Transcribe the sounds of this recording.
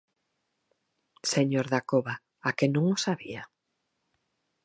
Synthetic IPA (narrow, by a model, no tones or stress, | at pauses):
seɲoɾðakoβa | akenũŋosaβia